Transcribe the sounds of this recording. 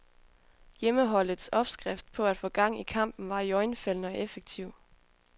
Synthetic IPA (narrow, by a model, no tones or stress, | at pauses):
jeməɦɒ̽l̰ð̩ˠsɒ̽b̥sɡ̥ʁɛfd̥̚pʰɒ̽æd̥fɔ̽ːɡ̥ɑ̈ŋ̰ikʰɑ̈m̰b̥n̩ʋɑ̈jɒɪnfel̰nəɒ̽ʔefeɡ̥̚t͡sʰiʊ̰